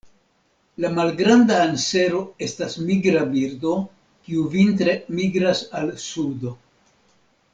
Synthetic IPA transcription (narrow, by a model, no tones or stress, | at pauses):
lamalɡɾandaːnse̞ɾo̞e̞stasmiɡɾabiɾd̪o̞ | kiuvintɾe̞miɡɾasalsud̪o̞